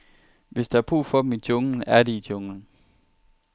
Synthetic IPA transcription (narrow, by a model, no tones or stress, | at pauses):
ʋe̝sd̥ɑɑ̈b̥ʁṵːfɒ̽d̥m̩it͡sʰɔŋn̩æɐɾeidʰɔ̽ŋn̩